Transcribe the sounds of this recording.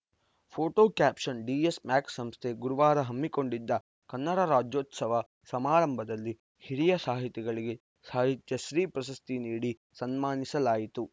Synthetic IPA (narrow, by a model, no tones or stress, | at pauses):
pʰoːʈoːkaːpʂɐnɖiːesmaːksɐmst̪ʰeɡuɾuʋaːɾɐɦɐmːiko̞ɳɖid̪ːɐ | kɐnːɐɽɐɾaːd͡ʒjoːt̪sɐʋɐ | sɐmaːɾɐmbʱɐd̪ɐlːi | hiɽijɐsaːɦit̪ɛɡɐɭiɡe̞ | saːɦit̪jɐʃɾiːpɾɐsɐst̪iniːɽi | sɐnmaːnisɐlaːjit̪u